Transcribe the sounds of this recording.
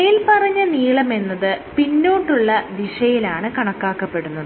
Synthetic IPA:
ɐjilpɐrɐɲːɐniːɭɐme̞nːɐðɨpinːoːɳɖuɭːɐd̪iʂɐjilaːɳɨkɐɳɐkːaːkːɐpːe̞ɽunːɐðɨ

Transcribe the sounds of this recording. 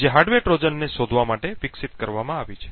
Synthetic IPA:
d͡ʒeɦaɾɖʋeʈɾod͡ʒənːeʃod̪ʱʋamaʈeʋiksit̪kəɾʋamãaʋit͡ʃʰe̥

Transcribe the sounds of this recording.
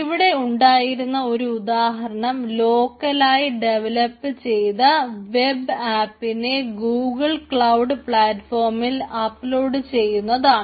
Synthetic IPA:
iʋiɽe̞uɳɖaːjiɾunːɐo̞ɾuud̪aːɦɐɾɐɳɐmlo̞ːkːɐlaːjiɖe̞ʋɐlɐpːɨt͡ɕe̞jt̪ɐʋe̞baːpːine̞ɡuːɡɐɭkɭɐwɖɨpɭaːtːfo̞ːrmilɐpːlo̞ːɖɨt͡ɕe̞jːunːɐðaːɳɨ

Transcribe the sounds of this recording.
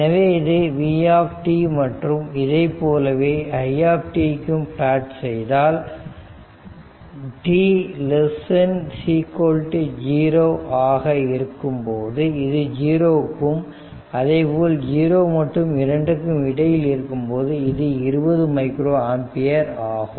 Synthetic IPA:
nɐʋeːɪðɯʋiːaːpʈimɐʈrɯmɪðɐɪpːoːlɐʋeːɐjaːpʈikːɯmplaːʈsɛjðaːl | ʈilɛsɛnsiːkoːlʈd͡ʒiːɾoːʔaːɣɐɪɾɯkːɯmpoːðɯɪðɯd͡ʒiːɾoːkːɯm | ɐðɐɪpoːld͡ʒiːɾoːmɐʈrɯmɪɾɐɳɖɯkːɯmɪɽɐjɪlɪɾɯkːɯmpoːðɯɪðɯɪɾɯbɐðɯmɐɪkɾoːaːmpɪjɐɾaːɣɯm

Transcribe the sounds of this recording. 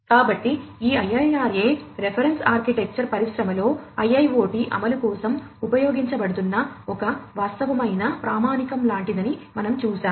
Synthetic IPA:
kaːbɐʈːiiːɐjɐjaːɾeːɾepʰɐɾensaːɾkiʈek̚t͡ʃɐɾpɐɾiʂɾɐmɐlo̞ːɐjɐjʋo̞ːʈiʔɐ̰mɐlukɔːsɐmupɐjo̞ːɡiɲt͡ʃɐbɐɽut̪̬unːɐɔkɐʋaːst̪ɐʋɐmɐjnɐpɾaːmaːnikɐmlaːɳʈid̪ɐnimɐnɐmt͡ʃuːsaːm

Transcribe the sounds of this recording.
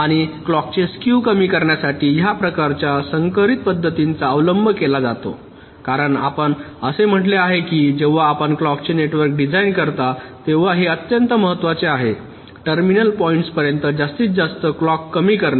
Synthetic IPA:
aɽ̃iklɔk̚t͡ɕeskjukəmiːkəɾɳjasaʈiːjapɾəkaɾt͡ɕjasəŋkəɾit̪̚pəd̪ʱːət̪int͡saəʋləmbʱəkelad͡zat̪o̰ | kaɾəɳa̰pəɳəsem̤əʈleaɦekiːd͡ʑeʋ̤aːpəɳklɔkt͡ɕeneʈʋəɾk̚ɖid͡zainkəɾt̪at̪eʋ̤aɦeət̪jənt̪əməɦət̪ːʋat͡seaɦe | ʈəɾminəlpɔiɳʈspəɾjənt̪əd͡zast̪iːt͡sd͡zast̪əklɔkːəmiːkəɾna

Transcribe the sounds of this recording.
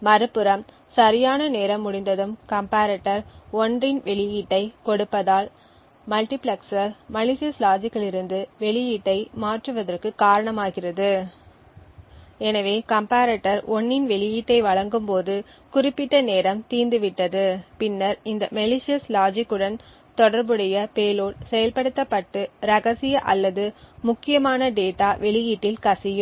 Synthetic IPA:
mɐɾɯpːɯɾɐm | sɐɾɪjaːnɐneːɾɐmːʊɽɪnd̪ɐðɯmkɐmpaːɾɐʈːɐɾɔndrɪnʋɛɭɪjiːʈːɐɪkɔɽɯpːɐðaːl | mɐlʈɪplɐksɐɾmɐɭɪʂɪjɐslaːd͡ʒɪkːɐɭɪɾɯnd̪ɯʋɛɭɪjiːʈːɐɪmaːʈrɯʋɐðɐrkɯkaːɾɐɳɐmaːɣɪrɐðɯ | ɛnɐʋeːkɐmpaːɾɐʈːɐɾɔnːɪnʋɛɭɪjiːʈːɐɪʋɐɭɐŋɡɯmpoːðɯ | kʊrɪpːɪʈːɐneːɾɐmt̪iːnd̪ɯʋɪʈːɐðɯpɪnːɐɾɪnd̪ɐmɛlɪʂɪjɐslaːd͡ʒɪkːɯɽɐn | t̪ɔɽɐɾbɯɽɐjɐpeːloːɭsɛjɐlpɐɽɯt̪ːɐpːɐʈːɯɾɐɣɐsɪjɐʔɐlːɐðɯmʊkːɪjɐmaːnɐɖeːʈːaːʋɛɭɪjiːʈːɪlkɐsɪjɯm

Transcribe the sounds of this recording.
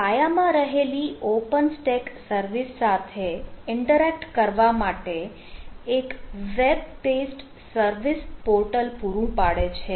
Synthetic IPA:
pajamãɾəɦeliʔopənsʈeksəɾʋisːat̪ʰeɪɳʈəɾɛk̚ʈkəɾʋamaʈe | ekʋeb̚pesʈ | səɾʋispoɾʈəlpuɾũpaɽet͡ʃʰe

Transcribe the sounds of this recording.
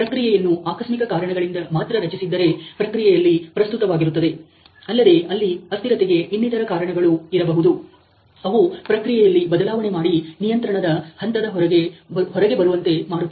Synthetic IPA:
pɾɐkɾijɛjɐnːuaːkɐsmikɐkaːɾɐɳɐɡɐɭind̪ɐmaːt̪ɾɐɾɐt͡ʃisid̪ːɐɾepɾɐkɾijɛjɐlːipɾɐst̪ut̪ɐʋaːɡiɾut̪ːɐd̪e̞ | ɐlːɐd̪e̞ɐlːiɐst̪iɾɐt̪eɡe̞ʔinːit̪ɐɾɐkaːɾɐɳɐɡɐɭuiɾɐbɐɦud̪u | ɐʋupɾɐkɾijɛjɐlːibɐd̪ɐlaːʋɐɳe̞maːɽinijɐnt̪ɾɐɳɐd̪ɐhɐnt̪ɐd̪ɐɦɾɐɡeɦɔɾɐɡe̞bɐɾuʋɐnt̪e̞maːɽut̪ːɐ

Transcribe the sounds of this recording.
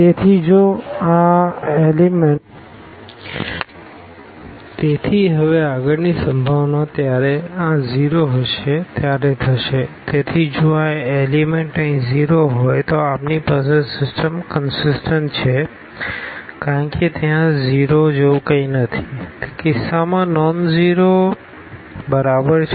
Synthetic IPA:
t̪et̪ʰid͡ʒoaelimɛ | t̪et̪ʰiɦəʋeaɡəɾnisə̃mbʱaʋnat̪jaɾeãziɾoɦəʃet̪jaɾet̪ʰəʃet̪et̪ʰid͡ʒoaelimeɳʈə̃ĩziɾoɦojt̪oapnipasesɪsʈəmkənsɪsʈəɳʈt͡ʃʰe | kaɾəɳket̪jãziɾod͡ʒeũkəinət̪ʰi̥kɪsːamãnɔnziɾo | bəɾabəɾ

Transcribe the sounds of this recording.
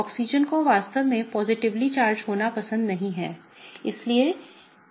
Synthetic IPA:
ɔːksid͡ʒənkoʋaːst̪əʋmẽpɔːzɪʈɪʋlit͡ʃaːɾd͡ʒɦoːnapɐsə̃nd̪nɐɦĩɦɛː | ɪslie

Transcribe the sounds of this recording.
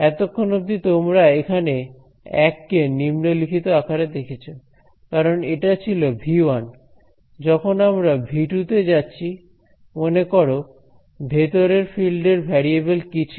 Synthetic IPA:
ɛt̪okʰːonob̚d̪it̪omɾaekʰane | ɛkːenimnolikʰit̪oakʰaɾed̪ekʰet͡ɕʰo | kaɾoneʈat͡ɕʰilobʱiwan | d͡ʑɔkʰonamɾabʱiʈut̪ed͡ʑatːɕʰi | monekoɾo | bʱet̪oɾeɾfilɖeɾbʱɛɾiebelkit͡ɕʰu̥

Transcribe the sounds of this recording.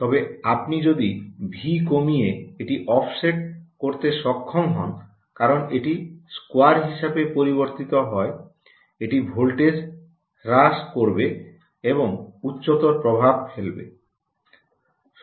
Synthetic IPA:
t̪ɔbeapnid͡ʑod̪ibʱikomijeeʈiʔɔfʰseʈ̚koɾt̪eʃɔkʰːoŋɦɔ̰n | kaɾoneʈiskoaɾɦiʃabepoɾiβoɾt̪it̪oɦɔe | eʈibʱolʈed͡ʑ | ɾaʃkoɾbe | eboŋutːɕot̪oɾpɾobʱab̚felbḛ

